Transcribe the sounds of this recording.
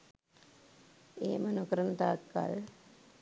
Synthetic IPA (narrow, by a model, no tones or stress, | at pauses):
eːmənokɾənt̪aːkːa̰l